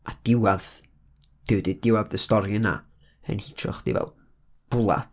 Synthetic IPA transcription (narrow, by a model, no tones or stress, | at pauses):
ʔad̥ɪwað | d̥ɪwdidɪwaðəstɔɾjəna̰ | ə̰nhɪtʰrʊ̰χd̥ḭvɛ̰lˠ | b̥ʊlˠa̰t